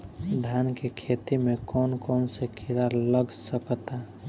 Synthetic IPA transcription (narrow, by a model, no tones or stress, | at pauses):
d̪ʱjankekʰet̪imekɔnkɔnsekʰiɾaɾləɡsəkt̪a